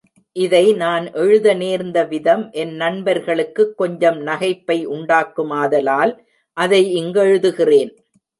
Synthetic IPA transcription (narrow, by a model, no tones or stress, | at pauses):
ʔɪðɐɪnaːnʔɛɻɯðɐneːɾnd̪ɐʋɪðɐmʔɛnnɐnbɐɾɣɐɭɯkːɯkːɔɲd͡ʒɐmnɐɣɐɪpːɐɪʔʊɳɖaːkːɯmaːðɐlaːl | ʔɐðɐɪɪŋɡɐɻɯðɯɣɪreːn